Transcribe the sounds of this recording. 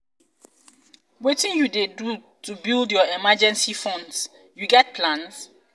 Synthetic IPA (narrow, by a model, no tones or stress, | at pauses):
wetĩnjudedu | tubildjɔɛmad͡ʒɛ̃nsifɔ̃nds | juɡɛt̚pʰlãns